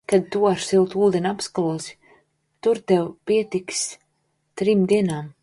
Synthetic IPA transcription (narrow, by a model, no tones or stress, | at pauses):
kad̪̚t̪uaɾsilˠt̪uːd̪ɛnʲapskalˠuɔsʲ | t̪uɾt̪ɛwpiɛt̪iks | t̪ɾimd̪iɛnaːm